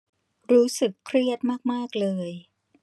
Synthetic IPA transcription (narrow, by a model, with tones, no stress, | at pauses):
ɾuː˦˥sɯ˨˩kʰːɾi˥˩ət̪̚maː˥˩k̚maː˥˩k̚lɤː˧j